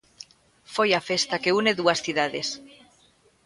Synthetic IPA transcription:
fojafest̪akeuneðuasθiðaðes

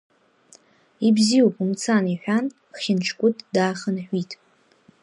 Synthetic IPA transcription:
ibziopʼumt͡sʰaniħʷᶣan | χʲɪnʈ͡ʂʰkʷʼʊtʼdaːχənħʷitʼ

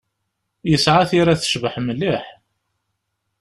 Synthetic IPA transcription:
jəsʕaθiɾaθə̥ʃvəħməlːiħ

